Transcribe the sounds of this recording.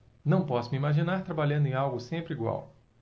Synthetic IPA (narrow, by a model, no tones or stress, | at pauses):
nɐ̃w̃pɔsʊmiimaʒinaɾt̪ɾabaʎɐ̃nd̪ẽawɡʊsẽmpɾɪiɡwa̰w